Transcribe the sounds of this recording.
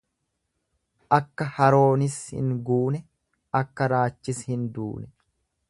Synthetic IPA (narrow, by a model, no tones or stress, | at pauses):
ʔɐkːɐhɐɾo̞ːnɪshɪ̰ŋɡuːnɛ | ɐkːɐɾaːt͡ʃːɪshɪnd̪ṵːnɛ